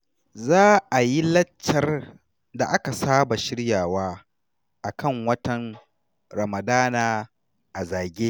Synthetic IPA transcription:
zaː˦ʔa˨ji˦lɐ˦t͡ʃːɐ˨r | da˨ʔa˦ka˨saː˦ba˨ʃɪ˦ɽjaː˨waː˦ | ʔa˨kɐ˦˨ŋwɐ˦tɐ˨n | ɾɐ˨mɐ˨daː˦naː˨ | ʔa˨zaː˨ɡʲeː˦

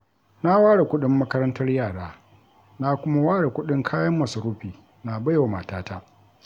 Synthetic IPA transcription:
na˦waː˦ɽe˨kʷʊ˦ɗɪ˦mːɐ˦kɐ˦ɾɐ˦ntɐ˦rjaː˨ɽaː˦ | na˦kʷʊ˦ma˦waː˦ɽe˨kʷʊ˦ɗɪ˦ŋkʰaː˦jɐ˦mːɐ˨sɐ˨ɾuː˦ɸiː˨ | na˨bɐ˦ja˨ma˨taː˦ta˦ʔ

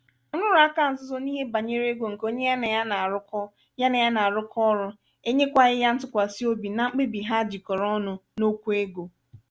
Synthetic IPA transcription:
ʊ˦nʊ˦ɾʊ˨˦a˦ka˦˨n̩˨zʊ˦zɔ˦ni˦ɦe˦ba˨ɲe˦ɾe˦ɡo˨ŋ̩˨ko˦ɲe˦ja˦na˨ja˦na˨a˨ɾʊ˦kɔ˦ | ja˦na˨ja˦na˨a˨ɾʊ˦kʰɔ˦ɾʊ˦ | e˦ɲe˦kʷa˦ɣɪ˦ja˦n̩˦tʊ˦kʷa˨si˦o˦bi˨na˨ŋ͡m̩˦k͡pe˦bi˨ɦa˦d͡ʒi˨kɔ˨ɾɔ˦nʊ˦no˦kʷu˦e˦ɡo˨

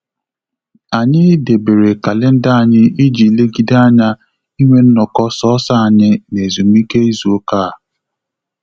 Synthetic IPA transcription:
a˨ɲɪ˦de˨be˨ɾe˨ka˨lɪ˦n̩˦da˦a˨ɲɪ˦i˦d͡ʒi˨le˦ɡi˦da˦ɲa˦ | i˦ŋʷe˦n̩˦nɔ˨kɔ˦sɔ˦ɔ˦sa˦a˨ɲɪ˦ne˨zu˨m̩˦i˦ke˦i˦zu˨˦o˦kaː˦˨

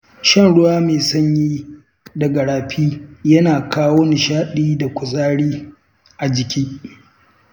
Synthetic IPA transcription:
ʃɐ˦nɽʊ˦waː˦meː˨sɐ˦ɲjiː˦ | dɐ˨ɡɐ˨ɽaː˨ɸʰiː˦jɐ˦naː˨kaː˦woː˦nɪ˨ʃaː˦ɗiː˦da˨kʷʊ˨sʼaː˦ɽiː˦ | ʔa˨d͡ʒɪ˨kʲʰiː˦

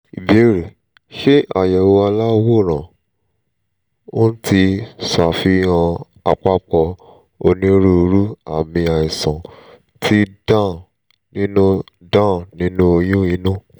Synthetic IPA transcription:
i˨be˨˦ɾe˨ | ʃe˦a˨jɛ˨wo˧a˧la˦wo˦˨ɾ̃ã˨ | o˦n̩˦ti˧sa˨fi˧˦ã˧ | a˧k͡pa˦k͡pɔ˧ | o˧nĩ˦ɾu˦˧ɾu˦a˨mĩ˧a˨i˨sã˨ | tʰi˦dã˦˨ | nĩ˦nũ˦ | dã˦˨nĩ˦nũ˦o˧jũ˦i˧˦nũ˦

